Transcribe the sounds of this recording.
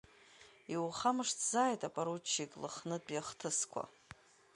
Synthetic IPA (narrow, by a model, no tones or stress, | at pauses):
iwχamɨʂtʰzaːjtʼapʼaɾut͡ʃʰːikʼlɨ̰χnɨdpʼjaχtʰɨskʷʰa̰